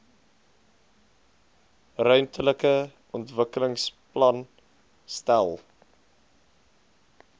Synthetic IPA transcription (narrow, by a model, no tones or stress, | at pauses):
rœɥmtʰələkəʔɔntvəkələŋsplɐn | stælˠ